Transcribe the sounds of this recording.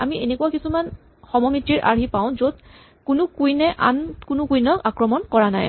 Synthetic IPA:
a̰mienekuwakisuman | xɔmɔmɹitːiɹʔa̰ɹɦipaʊ̃zod̚ | kʊnʊkujnɛʔa̰nkʊnʊkujnɔkakɹɔmɔnkɔɹana̰j

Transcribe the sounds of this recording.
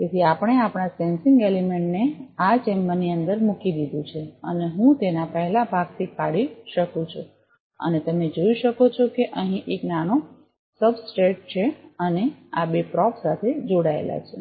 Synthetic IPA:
k̪et̪ʰiapəɽ̃eapɽ̃asensɪŋɡelimeɳʈneat͡ʃɛmbəniə̃nd̪əɾmukid̪id̪ũt͡ʃʰeə̰neɦũt̪enapəɦɛlabʱaɡt̪ʰikaɽiʃəkũt͡ʃʰu | ə̰net̪əmned͡ʒoiʃəkot͡ʃʰokeʔəɦĩʔeknano | səbsʈeʈ̚t͡ʃʰeənea̰bepɾɔfʰsat̪ʰed͡ʒoɽaḛla̰t͡ʃʰṵ̃

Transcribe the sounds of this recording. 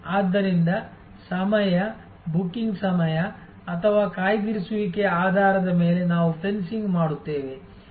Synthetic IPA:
aːd̪ːɐɾind̪ɐ | sɐmɐjɐ | bukːiŋɡsɐmɐjɐ | ɐt̪ʰɐʋaːkaːjɡ̪iɾisuʋike̞aːd̪ʱaːɾɐd̪ɐme̞ːle̞naːʋupʰensiŋɡmaːɽut̪ːe̞ːʋe̞

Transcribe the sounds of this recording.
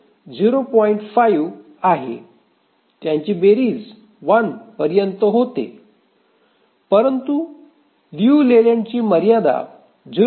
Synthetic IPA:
d͡ʑiɾopɔiɳʈfajʋ | aɦḛ | t̪jaɲt͡ɕiːbeɾiːd͡z | ʋənpəɾjənt̪əɦot̪ḛ | pəɾənt̪u | luleljãɲt͡ɕiːməɾjad̪a̰ | d͡ʑi

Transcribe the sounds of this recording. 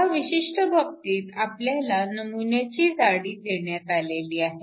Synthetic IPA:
aʋiɕiʂʈəbʱək̚t̪iːt̪apljalanəmunjat͡ɕiːd͡zaɽiːd̪eɳjat̪aleliːaɦe

